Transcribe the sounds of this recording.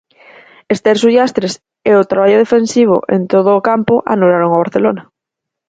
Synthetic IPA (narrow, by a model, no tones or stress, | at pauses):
est̪eɾsujast̪ɾes | eʊt̪ɾaβaʎoðefensiβ̞o̰ʔent̪oð̞ʊːkampʊʔa̰nolaɾoŋaβ̞aɾθelona